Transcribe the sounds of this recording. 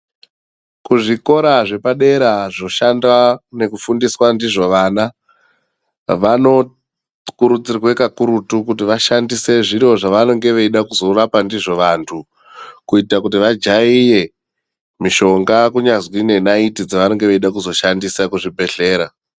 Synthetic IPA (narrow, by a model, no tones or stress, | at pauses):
kuʐiko̞ɾaʐe̞paɗe̞ɾaʐo̞ʃandane̞kufundiswandiʐo̞ʋaːna | ʋano̞ | kuɾut͡sirwe̞kakuɾutukut̬iʋaʃandise̞ʐiɾo̞ʐaʋano̞ŋɡe̞ʋeiɗakuzo̞rapandiʐo̞ʋantʰu | kuitakutiʋad͡ʒaije̞ | miʃo̞ŋɡakuɲazwine̞naitid͡zaʋano̞ŋɡe̞ʋeiɗakuzo̞ʃandisakuʐibʱe̞ɬe̞ːɾa